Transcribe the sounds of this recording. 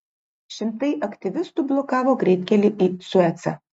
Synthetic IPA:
ʃʲɪmt̪ɐɪʔɐkt̪ʲɪʋʲɪst̪uˑblˠɔkɑːʋoːɡɾʲɛɪt̪ʲkʲɛlʲɪʔiːsʊɛt̪sɐ̰

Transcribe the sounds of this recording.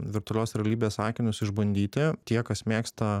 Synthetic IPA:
ʋʲɪɾt̪ʊɔlʲoːsɾʲɛɐlʲiːbʲeːsɑːkʲɪnʲʊsɪʒbɐnʲd̪ʲiːt̪ʲɪt̪ʲiɛkɐsmʲeːkst̪ɐ

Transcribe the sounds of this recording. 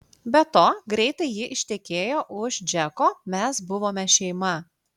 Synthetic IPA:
bʲɛt̪oːɡɾʲɛɪt̪ɐɪjɪʔɪʃʲt̪ʲɛkʲeːjoːʔʊʃd͡ʒʲɛkoːmʲɛsbʊʋoːmʲɛʃʲɛɪmɐ

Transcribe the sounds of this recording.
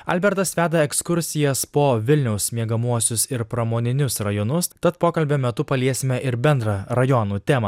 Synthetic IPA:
ɐlʲbʲɛɾt̪ɐsʋʲæːd̪ɐɛkskʊɾʲsʲɪjɛspoːʋʲɪlʲnʲɛʊsmʲiɛɡɐmuɔsʲʊsɪɾpɾɐmoːnʲɪnʲʊsɾɐjɔnʊst̪ɐt̪poːkɐlʲbʲɛmʲɛt̪ʊpɐlʲiɛsʲɪmʲɛʔɪɾbʲɛnd̪ɾɐɾɐjɔnuːt̪ʲɛːmɐ

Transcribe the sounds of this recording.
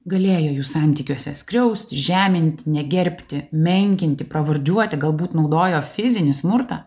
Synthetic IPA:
ɡɐlʲeːjoːjuːsɑˑnʲt̪ʲiːkʲuɔsʲɛsʲkɾʲɛʊsʲt̪ʲɪʒʲæːmʲɪnʲt̪ʲɪnʲɛɡʲɛɾʲpʲt̪ʲɪmʲɛŋʲkʲɪnʲt̪ʲɪpɾɐʋɐɾʲd͡ʒʲuɔt̪ʲɪɡɐlˠbuːt̪nɒʊd̪oːjoːfʲɪzʲɪnʲɪsmʊɾt̪ɑː

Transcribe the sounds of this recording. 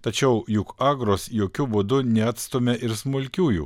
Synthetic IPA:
t̪ɐt͡ʃʲɛʊjʊkɑːɡɾoːsjoːkʲʊbʊd̪ʊnʲɛɐːt̪st̪oːmʲɛʔɪɾsmʊlʲkʲuːjṵː

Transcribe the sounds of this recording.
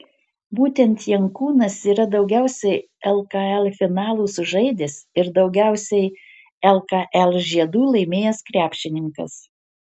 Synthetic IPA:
buːt̪ʲɛnt̪jɛŋkuːnɐsiːɾɐd̪ɒʊɡʲæˑʊsʲɛɪ | ɛlˠkɐɛlʲˠfʲɪnɑːlˠuːsʊʒɐɪd̪ʲɪsɪɾd̪ɒʊɡʲæˑʊsʲɛɪ | ɛlˠkɑʔɛlˠʒʲiɛd̪uːlˠɐɪmʲeːjɛskɾʲæːpʲʃʲt͡ʃʲɪnʲɪŋkɐ̰s

